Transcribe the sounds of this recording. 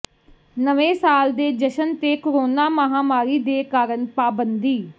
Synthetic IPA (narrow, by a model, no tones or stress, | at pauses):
nəʋẽːsaːld̪eːd͡ʒəʃənt̪eːkoɾoːnaːməɦaːmaːɾiːd̪eːkaːɾəɳpaːbənd̪iː